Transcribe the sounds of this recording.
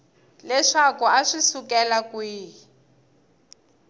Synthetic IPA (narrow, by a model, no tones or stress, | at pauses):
lɛʂakuaʂisukɛlakwiː